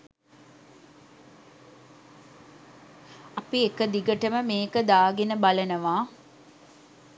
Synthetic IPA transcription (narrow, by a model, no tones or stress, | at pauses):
ɐpiekəd̪iɡəʈəməmeːkəd̪aːɡenəbalənəʋaː